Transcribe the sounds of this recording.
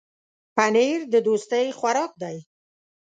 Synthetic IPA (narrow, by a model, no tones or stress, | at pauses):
paneɾd̪əd̪ost̪əjxwaɾɑk̚d̪aj